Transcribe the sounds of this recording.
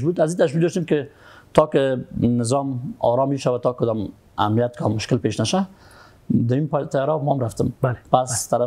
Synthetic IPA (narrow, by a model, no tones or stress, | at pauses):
ʃbud̪azit̪aʃ̬wik̚d̪ɔʃt̪emkɪt̪ɔkɪnɪzɔmɒ̰ɾɔmiʃawat̪ɔkʊd̪ɔm | a̰mnijat̪̚kamːʊʃkɪlpeʃnaʃa | d̪əimpt̪ajɾɔmɔamɾaft̪əmlpast̪aɾa